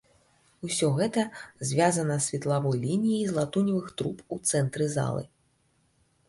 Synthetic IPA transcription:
usʲɔɣɛt̪ɐzʲvʲazɐnɐsʲvʲit̪lˠavɔjlʲinʲijizlˠat̪unʲivɨxt̪ɾuput̪sɛnt̪ɾɨza̰lˠɨ̰

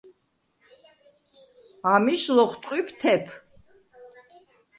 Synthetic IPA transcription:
amiʃlɔχʰt̪ʼqʼwipʰt̪ʰɛpʰ

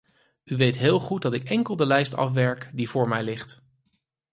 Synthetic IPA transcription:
yʋejtɦɪːlˠχut̚dɑtɪkɛŋkəlˠdəlɛjstɑ̰fʋɛɹkdivʊːɹmɛjlɪχt

